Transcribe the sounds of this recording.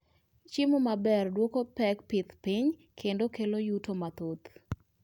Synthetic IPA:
t͡ʃɪmomabɛrdwokopɛk̚pɪt̪piɲ | kʰendokelojutomat̪ot̪

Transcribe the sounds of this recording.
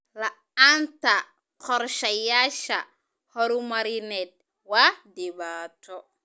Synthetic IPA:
la | anta | kɔɾʃajaʃa | hɔɾumaɾinɛt̚ | wadibatɔ

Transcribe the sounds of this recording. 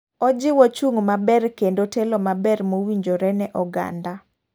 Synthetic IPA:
ɔd͡ʒɪwɔt͡ʃuŋmabɛrkendotelɔmabɛɾmowiɲd͡ʒoɾɛnɛʔɔɡa̰nda

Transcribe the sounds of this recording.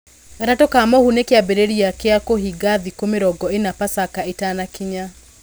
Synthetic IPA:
ɾatokamɔhunekeabeɾeɾiakeakoɦiɡaðikomeɾɔɡɔenapasakaetanakiɲa

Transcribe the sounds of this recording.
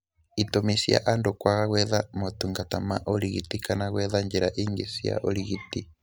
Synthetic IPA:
itomisja̰ʔandokwaɣaɣwɛðamotuŋɡatama̰ʔoɾiɣitikanaɣwɛðaɲd͡ʒeɾaʔiŋɡesia̰ʔoɾiɣiti

